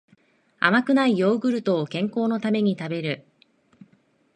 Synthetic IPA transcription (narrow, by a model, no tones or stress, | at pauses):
a̰makɯ̟naijo̞ːɡɯ̟ɾɯ̟t̪o̞ːkẽ̞ŋko̞ːno̞t̪ame̞ɲ̟it̪abe̞ɾɯ̟